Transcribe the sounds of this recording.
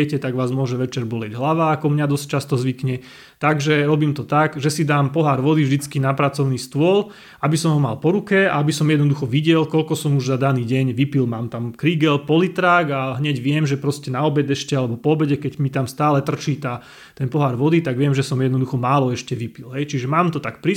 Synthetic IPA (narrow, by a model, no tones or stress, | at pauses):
ɛcɛt̪aɡʋaːzmʊɔʒɛʋɛt͡ʃɛɾbɔlɪɛɟɦlaʋaːkɔmɲad̪ɔsc̚t͡ʃast̪ɔzʋikɲɛ | t̪aɡʒɛɾɔbiːmt̪ɔt̪aɡʒɛsid̪aːmpɔɦaɾʋɔd̪ivʒd̪it͡skinapɾat͡sɔʊniːst̪ʊɔl | abisɔmɦɔma̰lpɔɾukɛa̰abisɔmjɛd̪nɔd̪uxɔʋiɟɛlkɔlkɔsɔmuʒzad̪aniːɟɛɲʋipilmaːmt̪amkɾiːɡɛlpɔlit̪ɾaːɡaɦɲɛɟʋɪɛmʒɛpɾɔscɛnaɔbɛd̪ɛʃcɛalɛbɔpɔɔbɛɟɛkɛɟmit̪amst̪aːlɛt̪r̩t͡ʃiːt̪aː | t̪ɛnpɔɦaɾʋɔd̪it̪aɡʋɪɛmʒɛsɔmjɛd̪nɔd̪uxɔmaːlɔɛʃcɛʋipilɦɛjt͡ʃiʒɛmaːmt̪ɔt̪akpɾi